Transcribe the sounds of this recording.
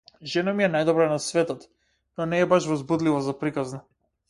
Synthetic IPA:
ʒɛnamiɛnajd̪ɔbɾanasvɛt̪ɔt̪ | nɔnɛːbaʃvɔzbud̪livɔzapɾikazna

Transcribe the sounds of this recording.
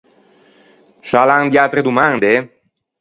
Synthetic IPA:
ʃaland̪iat̪ɾed̪umand̪e

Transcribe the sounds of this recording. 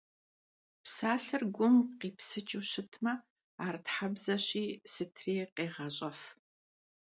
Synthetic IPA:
psaːɬɐrɡʷʊmqiːpsɨt͡ʃʼɨwɕɪtʰmɐ | aːrtħabzɐɕiːsɨtʰriːqeːʁɐɕʼɐf

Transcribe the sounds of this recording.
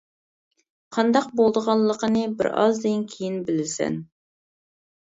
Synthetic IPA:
qʰɑnd̪ɑqbolˠd̪əʁɑllˠːəqʰənɨbɪ̰ɾɑ̰zd̪ɪnkʲʰejinbɪlɪsɛ̰n

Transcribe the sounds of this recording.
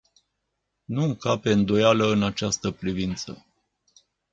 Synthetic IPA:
nuŋkape̞ɨnd̪o̞jaləɨnat͡ʃast̪əpɾivint̪sə̰

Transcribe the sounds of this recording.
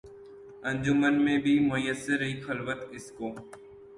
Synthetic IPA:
ə̃ɲd͡ʒʊmənmẽbʱimʊjəsɪɾɦiːxʰɐlʋət̪ɪskoː

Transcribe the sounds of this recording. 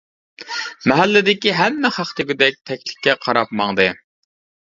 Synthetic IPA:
mɛɦɛlːɪd̪ɪkʲiɦɛmːɪχɑχt̪ʰɪɡʲyd̪ɛk̚ʲt̪ʰɛkʲlɪ̥kʲːɛqʰɑɾɑpmɑŋd̪ɨ

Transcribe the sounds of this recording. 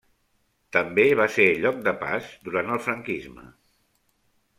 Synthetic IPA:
t̪əmbeβ̞aseɾʎɔk̚d̪əpa̰zd̪uɾant̪əlˠfɾəŋkizmə̰

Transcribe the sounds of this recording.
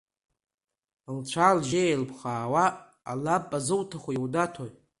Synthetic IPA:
lt͡ɕʷʰalʒelpʰχaːwa̰ː | lapʼːazɨwtʰaχʷojwdatʰoj

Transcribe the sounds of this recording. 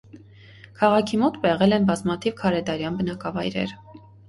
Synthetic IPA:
kʰɑʁɑkʰimɔt̪bɛʁɛlɛnbɑzmɑt̪ʰivkʰɑɾɛd̪ɑɾjɑnbənɑkɑvɑjɾɛ̰ɾ

